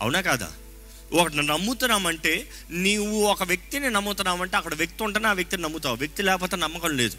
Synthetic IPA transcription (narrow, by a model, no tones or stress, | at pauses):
ɐ̰wunaːkaːd̪a̰ː | ɔkɐʈ̬inɐnɐmːut̪unːaːmɐɳʈe̞ː | niːwuɔkɐʋjek̚t̪ininɐmːut̪unːaːmɐɳʈeɐkːɐɽɐʋjek̚t̪iuɳʈanaːʋjek̚t̪ininɐmːut̪aːwʋjek̚t̪ilɛːkɐp̬oːt̪eːnɐmːɐkɐmle̞ːd̪u